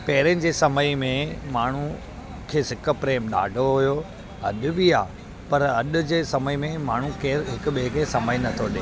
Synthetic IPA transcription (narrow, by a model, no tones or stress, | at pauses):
pɐɦɪɾənɪ̆d͡ʑeːsɐməimẽmaːɳ̤ũ | kʰeːsɪk̆pɾeːmɗa̰ːɖʱoɦʊjo | ɐ̰ɗʊ̆bia̰ː | pɐɾɐɗʊ̆d͡ʑeːsɐməimẽmaːɳ̤ũkeːɾɦɪkʊ̆ɓekesɐməinɐt̪ʰoɗeː